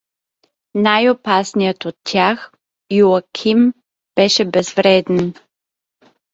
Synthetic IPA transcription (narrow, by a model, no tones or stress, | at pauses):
najopasnijət̪ot̪tːʲjax | juɐkʲʰim | b̥ɛʃɛbɛzvɾɛd̪ɛn